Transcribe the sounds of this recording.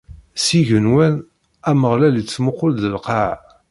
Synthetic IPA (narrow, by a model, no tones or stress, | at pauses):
siʝənwæn | æməʁlælit͡sːmʊqːold̪əlqɑʕ